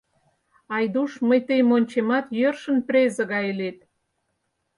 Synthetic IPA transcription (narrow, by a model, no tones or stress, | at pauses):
ɑjd̪uʃməjt̪ejmonʲt͡ɕemɑt̪jørʃə̆nprʲezə̆ɣɑelet̪̚